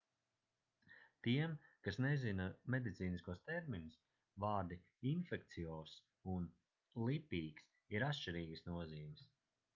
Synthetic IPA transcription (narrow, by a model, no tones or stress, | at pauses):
t̪iɛmkasnɛzinamed̪it̪siːniskuɔst̪ɛɾminus | vaːɾd̪i | infɛk̚t̪sijɔːs | un | lˠipʲiːks | iɾat̪ʃt͡ʃiɾiːɡəsnuɔziːmis